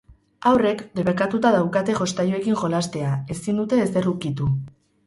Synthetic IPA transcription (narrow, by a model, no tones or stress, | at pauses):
awre̞kd̪e̞βekat̪ut̪að̞awkat̪e̞ʝo̞st̪ajue̞kiŋʝo̞last̪e̞ae̞sind̪ut̪e̞ːse̞rukit̪u